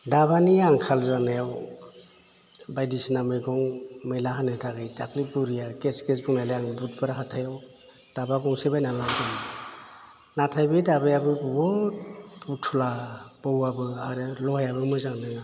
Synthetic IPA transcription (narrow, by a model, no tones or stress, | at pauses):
dabaniaŋkʰalzanajaw | bajdisnamɯjɡɔŋmɯjlaɦanɯtʰaɡɯjdaklibuɾijakeskes̬bɔŋnajlajaŋbut̚baɾaɦatʰajaw | d̥abaɡɔŋsebajnalaɡɯm | natʰajbɯdabejabɯbɔɡɔbutʰulab̥ɔwabɯaɾɯlɔhajaβɯmɯjzaŋnɯŋa